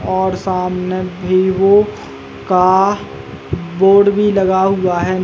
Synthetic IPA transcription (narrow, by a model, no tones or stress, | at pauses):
ɔːɾsaːmnebʱiʋo | ka | boːɖbʱilɐɡaɦʊaɦɛn